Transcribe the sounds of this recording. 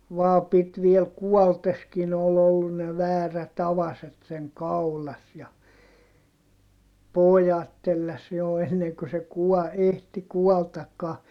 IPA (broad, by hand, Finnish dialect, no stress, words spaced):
ʋɑː pit ʋiel kuɔlteskin ol olːun ne ʋæːræt ɑʋɑset seŋ kɑulɑs jɑ pojɑt telːæs jo enːeŋ ku se kuɔ ehti kuɔltɑkːɑː